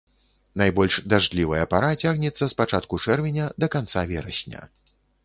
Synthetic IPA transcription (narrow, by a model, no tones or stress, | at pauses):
najbɔlʲʂd̪aʐd̪lʲivɐjɐpaɾat͡sʲaɣnʲɛt̪sːɐspat͡ʂat̪kut͡ʂɛrvʲɛnʲɐd̪ɐkant̪savʲɛɾɐ̰sʲnʲɐ̰